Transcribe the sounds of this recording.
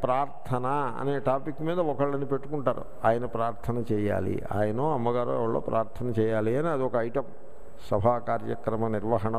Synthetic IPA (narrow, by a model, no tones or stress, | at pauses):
pɾaːɾt̪ʰɐnɐɐ̰neːʈaːpikːmiːd̪ɐɔkɐɭːɐnːipe̞ʈːukuɳʈaːɾṵ | aːjɐnɐpɾaːɾt̪ʰɐnɐt͡ʃɛːja̰ːlḭa̰ːjɐnoːɐmːɐɡaːɾo̰ːʋɐɭːoːpɾʔaːɾt̪ʰɐnɐt͡ʃɛːjaːliɐniɐd̪iɔkɐɐjʈɐm | sɐbʱaːkaːɾjɐ̰kɾɐmɐniɾʋɐɦɐɳɐ